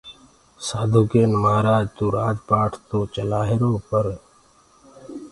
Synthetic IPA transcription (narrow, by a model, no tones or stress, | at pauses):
saːd̪ʱukeːnməɦaːɾaːd͡ʒt̪uːɾaːd͡ʒpaːʈʰt̪õːt͡ʃəlaːɦɪɾõːpəɾ